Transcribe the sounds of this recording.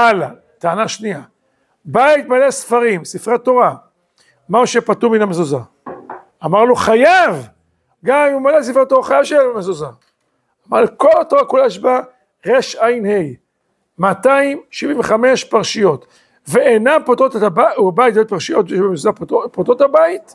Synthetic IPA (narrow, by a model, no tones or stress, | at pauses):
ala | t̪aanaʃnia | bait̪̚malesfaʁimsifʁet̪o̞ʁa | mauʃepat̪uminamezoza | amaʁloχajav | ɡammumales̬ifʁat̪ːoʁaχajavʃeeamezozaː | maʁloko̞lat̪o̞ʁakulaeʃba | ʁeʃajnhej | mat̪aimʃiviɱveχame̞ʃpaʁʃijo̞t̪ | veenampot̪ot̪etabauabajt̪ajot̚paʁʃijo̞t̪vjeʃbemezozapopot̪othabait̪